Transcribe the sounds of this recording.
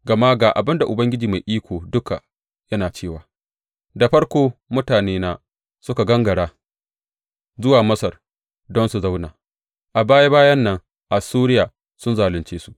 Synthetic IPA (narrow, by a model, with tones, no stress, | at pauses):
ɡɐ˨maː˦ɡaː˨ʔa̰˨bɪ˦nda˨ʔʊ˨bɐ˦ŋɡʲɪ˦d͡ʒiː˨ma˨jʔiː˦kʷoː˨dʊ˦ka̰˨ | jɐ˦naː˨t͡ʃeː˦˨waː˨ | da˨ɸɐ˦ɽkʷoː˦mʊ˦taː˨neː˦naː˦ | sʊ˦ka˨ɡɐ˦ŋɡɐ˨ɽaː˦ | zʊ˦waː˨mɐ˦sɐ˨r | dɔ˦nsu˨za˦wna̰ː˨ | ʔa˨baː˦jaː˦baː˦jɐ˦nːɐ˦ŋ | ʔa˨suː˦ɾɪ˦jaː˨ | sʊ˦nzaː˨lɪ˨nt͡ʃeː˦su̥˦ʔ